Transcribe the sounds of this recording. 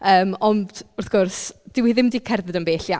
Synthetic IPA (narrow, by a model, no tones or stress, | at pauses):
əːmɔndʊrθɡ̥ɔrsd̥ɪwiðɪmdiːkʰɛrðɨdənbeːɬja